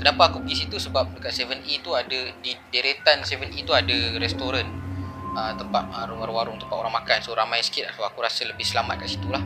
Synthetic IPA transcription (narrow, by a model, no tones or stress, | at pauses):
kənapaːkupəɡisit̪usəbap̚dəkat̪̚sɛvənʔit̪uadadideɾet̪ansɛvənʔit̪uadaɾɛst̪oɾanət̪əmpat̪̚aɾʊŋwaɾʊŋaɾʊŋt̪əmpat̪oɾaŋmakansoɾamãjsə̥kɪt̪asoakuɾasaləbɪhsəlama̰t̪̚kaʔsit̪ulah